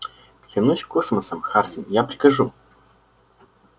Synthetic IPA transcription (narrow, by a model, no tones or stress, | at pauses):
klʲɪnusʲkosməsəmxardʲɪnjapɾʲɪkɐʐu